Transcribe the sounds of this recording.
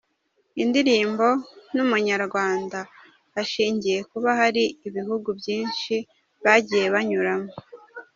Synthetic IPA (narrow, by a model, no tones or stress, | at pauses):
indiɾiːmbo̞numuɲaɾɡwaːnda | aʃiːɲɟije̞kuβahaɾiːβiɦuɡubjiːnʃi | βaɟije̞βaɲuɾamo